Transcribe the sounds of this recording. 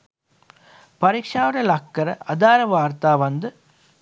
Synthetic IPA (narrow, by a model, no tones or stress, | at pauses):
pɐɾɪkʂaːʋɐɾɐlɐkːɐɾɐ̰ʔɐd̪aːɾɐʋaːɾt̪aːʋɐnd̪ɯ